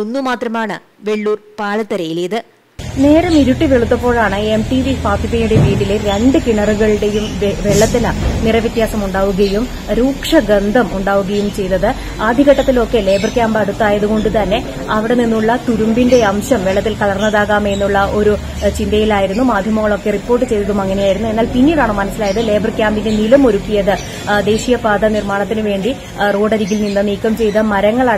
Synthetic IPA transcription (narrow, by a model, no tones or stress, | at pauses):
onːumaːt̪rɐmaːɳɨ | ʋe̞ɭːuːrpaːɭɐt̪ːɐɾɐjilɐjɐðɨ | ne̞ːɾɐmiɾuʈːiʋeɭut̪ːɐpːo̞ːɭaːɳɨe̞mʈiʋifaːt̪ipːɐjuɽe̞ʋiːɽileɾeɳɖɨkiɳɐrɨɣɐɭɨɽe̞jumʋeɭːɐt̪ːinɐnirɐʋjɐt̪jaːsɐmuɳɖaːʋuɣɐjum | ɾuːkʂɐɡɐnd̪ʱɐmuɳɖaːʋuɣɐjumt͡ɕe̞jnːɐðɨ | aːd̪ʱiɣɐʈːɐt̪ːilo̞kːe̞le̞ːbɐrkʲaːmbɐɽut̪ːaːjɐðuɣo̞ɳɖut̪ɐnːe̞ | ɐʋiɽe̞ninːuɭːɐt̪uɾumbinde̞ɐmɕɐmʋeɭːɐt̪ːilkɐɭɐrnːɐðaːɣaːme̞nːuɭːɐʔo̞ɾu | t͡ɕind̪ɐjilaːjiɾunːumaːd̪ʱjɐmɐŋːɐɭo̞kːe̞ripːo̞ːrʈ̬ːɨt͡ɕe̞jt̪ɐðumɐŋːɐne̞jaːjiɾunːue̞nːaːlpinːiɽaːɳɨmɐnɐsːilaːjɐðɨle̞ːbɐrkʲjaːmbinde̞nilɐmo̞ɾukːijɐðɨ | d̪e̞ːɕijɐpaːd̪ɐnirmaːɳɐt̪ːinɨʋe̞ːɳɖi | roːɽɐɾiɡilninːɨniːkːɐmt͡ɕe̞jt̪ɐmɐɾɐŋːɐɭa